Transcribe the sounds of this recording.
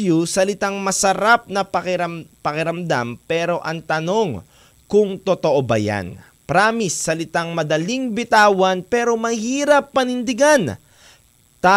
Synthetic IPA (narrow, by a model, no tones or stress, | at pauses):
jusɐlɪt̪aŋmɐsɐɾap̚nɐpɐkɪɐmpɐkɪɾɐmd̪a̰mpɛːɾo̞ʔɐŋt̪ɐno̞ŋ | kʊŋt̪ot̪oʔobɐ̰ja̰n | pɾaːmisːɐlɪt̪aŋmɐd̪ɐliŋbɪt̪aːwɐnpɛːɾo̞mɐhiːɾɐpːɐnɪnd̪ɪɡan | t̪a